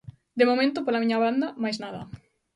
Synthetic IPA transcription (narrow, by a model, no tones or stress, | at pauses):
d̪emomẽnt̪ʊpolamiɲɐβand̪ɐmajsznaðɐ̰